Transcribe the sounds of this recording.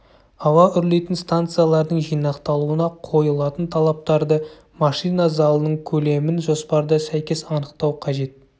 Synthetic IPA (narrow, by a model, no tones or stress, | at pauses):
ɑwɑʔʏɾle̞jt̪ɪnst̪ant̪sɨjalˠɑɾd̪əɴʒijnɑqt̪ɑlˠuənɑqʰo̞jəlˠɑt̪ənt̪ʰɑlˠɑp̚t̪ɑɾd̪ə | mɑʃijnɑzɑlˠənəɴkʲʰɵle̞mɪnʒo̞spɑɾd̪əsæjkʲe̞sɑnəqt̪ɑwqʰɑʒe̞t̪̚